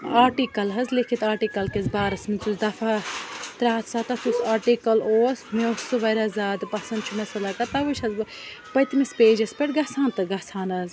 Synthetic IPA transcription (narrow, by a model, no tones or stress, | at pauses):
aːʈikɐlɦɐzlekʰit̪aːɾʈiːkɐlkɐzbaːɾɐsmit͡s̪uzd̪ɐfaːt̪ɾaːt̪ʰsaːt̪ɐsusaːɾʈikɐloːsmeosɨʋɐɾɐzaːd̪pɐsɐnd̪t͡ʃʰumɐsɐlɐkɐt̪ɐʋuʃɐz | pɐjt̪mispeːd͡ʒɐspʲeʈɡɐsaːnt̪ɨɡɐsaːnɐz